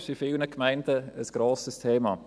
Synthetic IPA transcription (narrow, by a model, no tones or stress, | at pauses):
ʃifɪlnəkmaɪndəəsɡ̥ɾoːsəstʰeːmɑ̰